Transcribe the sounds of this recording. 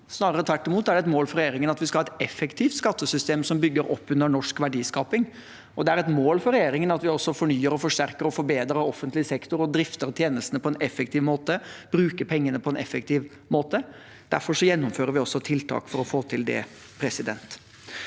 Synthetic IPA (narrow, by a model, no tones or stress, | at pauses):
snɑːɾəɾət̪ʰʋæʈːɪmuːt̪æɖɛt̪moːlfɔɾɛjeːɾɪŋənɑt̪ʋɪskɑhɑːɛt̪ɛfːɛkt̪ʰiːft̪skɑt̪ːəsʏst̪eːmsɔmbʏɡːəɾɔpːʉnːəɳɔʂkʋæɖiːskɑːpɪŋ | ɔd̪ɛæɾɛt̪moːlfɔɾɛjeːɾɪŋənɑt̪ʋɪɔsːɔfɔɳyːəɾɔfɔʂʈæɾkəɾɔfɔɾbeːd̪ɾəɾɔfːənt̪lɪsɛkt̪ʊɾɔd̪ɾɪft̪əɾt̪ʰjeːnəsənəpʰɔɛnɛfɛkt̪ʰiːʋmoːt̪əb̥ɾʉːkəpʰɛŋːənəpʰɔɛnɛfɛk̚t̪ʰiːʋ | moːt̪ə | d̪̥æɾfɔʂɔjɛnːʊmføːɾəɾʋɪɔsːɔt̪ʰɪlt̪ʰɑ̰ːkfɔɾɔfoːt̪ʰɪld̪ɛ̰ | pʰɾɛsɪd̪ɛ̰nt̪